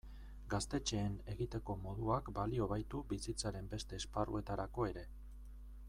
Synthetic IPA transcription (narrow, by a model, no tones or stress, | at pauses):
ɡast̪e̞t͡ʃe̞ːne̞ɣit̪e̞ko̞mo̞ðuakbalio̞β̞ajt̪ubisit͡saɾe̞mbe̞st̪e̞ːsparṵe̞t̪aɾako̞e̞ɾe̞